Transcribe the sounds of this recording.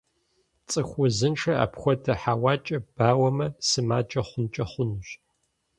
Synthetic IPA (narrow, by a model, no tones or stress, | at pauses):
t͡sʼɨxʷʊzɨnʈ͡ʂʰɐa̰ːpxʷɔtʰɐħaːwɑːt͡ʃʼɐb̥aːwɐmɐsɨmaːd͡ʒʼɐχʷʊnt͡ʃʼɐχʷʊnuɕ